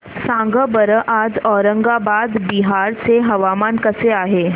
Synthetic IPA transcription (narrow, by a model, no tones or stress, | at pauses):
sãːŋɡəbəɾəʔaːd͡ʒɔːɾə̃ŋɡabaːd̪biɦaːɾseɦɐʋaːmaːnkɐseaːɦeː